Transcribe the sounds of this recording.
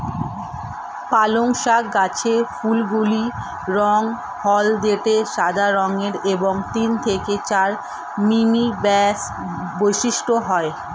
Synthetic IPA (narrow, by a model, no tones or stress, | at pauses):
paloŋʃaɡat͡ɕʰefulɡuli | ɾɔŋ | hɔld̪eʈeʃad̪ʱaɾɔŋeɾeboŋt̪int̪ʰeket͡ɕaɾ | mimibɛs | bojʃiʃʈoɦɔe